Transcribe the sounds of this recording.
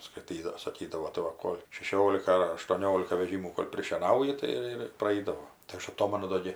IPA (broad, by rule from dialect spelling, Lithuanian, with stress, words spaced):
skɐɪˈtʲiːdɐw sɐˈkʲiːdɐʋoː tɐɪ ˈʋɐ ˈkoːlʲ ʃʲɛˈʃʲoːlʲɪkɐ ɐr ɐʃtuɔˈnʲoːlʲɪkɐ ʋʲɛˈʒʲiːmuː koːlʲ pʲrʲɪʃʲiɛˈnɐʊjɪ ˈtɐɪ ɪr ɪr prɐˈɛɪdɐʋoː tɐɪ ˈɐʃ ɐˈtoːmɐnʊ ˈdoː ɡʲɪ